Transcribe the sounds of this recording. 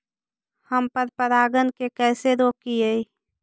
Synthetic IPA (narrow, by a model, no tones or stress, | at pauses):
həmpəɾpəɾaːɡənkekɛːseɾoːkiəi